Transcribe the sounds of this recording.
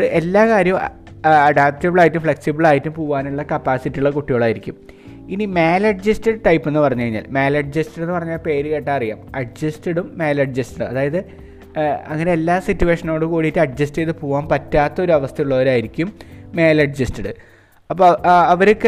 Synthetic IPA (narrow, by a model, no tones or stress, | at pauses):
ɨʔelːaːkaːɾjɐm | ɐɖaːp̚tɐbɐɭaːjitːumfɭe̞ksibɐɭaːjitːumpuːʋaːnuɭːɐkɐpːaːsitːijuɭːekuʈːijo̞ːɭaːjiɾikʲːum | inimeːlɐɖd͡ʑɐstɐɖʈɐjpːe̞nːɨpɐrɐɲːkɐɻiɲːa̰ːlmeːlɐɖ̚d͡ʑɐstɐɽɨnːɨpɐrɐɲːaːlpe̞ːɾɨkeʈːaːɐrijːa̰ːmɐɖ̚d͡ʑɐstɐɽumːe̞ːlɐɖd͡ʑɐstɐɽumɐðaːjɐðɨ | ɐ̰ŋːɐneelːaːsitːuwe̞ːʂɐno̞ːɽukoːɽitːɨɐɖ̚d͡ʑɐsteðɨpuːʋaːmpɐtːaːt̪ːɐo̞ɾuɐʋɐst̪ʰɐjuɭːɐʋɐɾaːjiɾikʲːumːe̞ːlɐɖd͡ʑɐstɐɽɨ | ɐpːoɐʋɐɾokːe